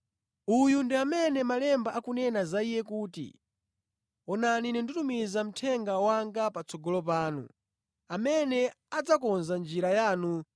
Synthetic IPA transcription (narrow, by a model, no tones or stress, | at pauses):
ujundiamɛnɛmalɛmbaʔakunɛnazaijɛkuːtḭ | ɔnaninindutumizam̩tʰɛŋɡawaŋɡapat͡sɔɡɔlɔp̬aːnṵ | amɛnɛ | ad͡zakɔnzand͡ʒiɾajaːnu